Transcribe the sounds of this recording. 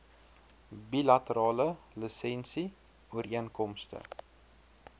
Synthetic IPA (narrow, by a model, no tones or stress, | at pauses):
bilɐtəɾɑːlələsɛnsi | uəɾiənkɔmstə̰